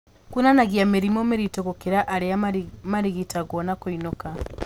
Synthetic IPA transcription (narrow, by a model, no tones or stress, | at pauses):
kunanaɣjameɾimomeɾitoɣokeɾaʔaɾeamaɾiɣitaɣonakoinoka